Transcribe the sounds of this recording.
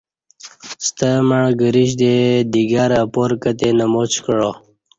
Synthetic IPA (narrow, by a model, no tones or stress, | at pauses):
st̪əməɳɡəɾiɕ̬d̪ed̪iɡaɾapoɾkət̪enəmot͡ɕkəɻo